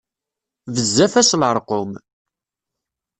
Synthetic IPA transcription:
vəzːæfæsləɾˤqʊm

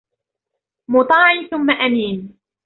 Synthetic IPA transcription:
mʊt̪ˤɑːʕiθʊmːaʔamiːn

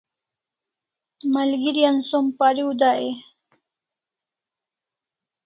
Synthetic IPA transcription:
malɡiɾijansompaɾiud̪aʔe

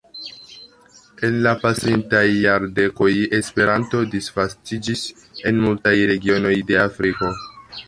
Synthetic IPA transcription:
e̞nlapasintajːaɾde̞ko̞je̞spe̞ɾʔanto̞disfastid͡ʒis | e̞nmultajɾe̞ɡio̞no̞jde̞afɾiko̞

